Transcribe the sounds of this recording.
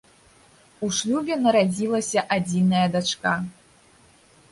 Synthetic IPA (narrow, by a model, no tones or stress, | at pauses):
uʂlʲubʲɛnɐɾad͡zʲilˠɐsʲɐʔad͡zʲinɐjɐd̪at͡ʂka